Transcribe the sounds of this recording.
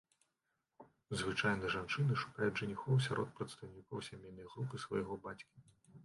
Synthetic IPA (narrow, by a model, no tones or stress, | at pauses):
zvɨt͡ʂajnɨʐant͡ʂɨnɨʂu̥kajuʐɨnʲixɔwsʲaɾɔt̪̚pɾɐt̪st̪ɐwnʲikɔwsʲamʲejnːɐjɣɾupɨsvɐjɣɔbat͡sʲkʲi